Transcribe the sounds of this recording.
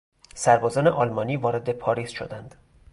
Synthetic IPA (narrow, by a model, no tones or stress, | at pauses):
sæɾbɒːzɒːne̞ʔɒːlmɒːniːvɒːɾe̞d̪epʰɒːɾiːsʃo̰d̪ænd̪̥